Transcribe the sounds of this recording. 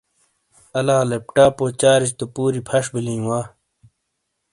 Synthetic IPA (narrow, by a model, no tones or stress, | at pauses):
ɐlaːlep̚ʈaːpoːt͡ɕaːɾit͡ɕt̪opuːɾipʰɐʂbilĩːwaː